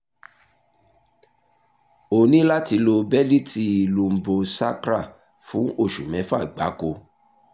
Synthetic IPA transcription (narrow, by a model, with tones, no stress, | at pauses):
o˨nĩ˦la˦ti˧˦lo˧bɛ˦li˦ti˧lu˧m̩˨bo˧sa̰˦kɾa˦˨ | fũ˨˦ʔo˦˨ʃu˨mɛ̃˨˦fa˦˨ɡ͡ba˨˦ko˧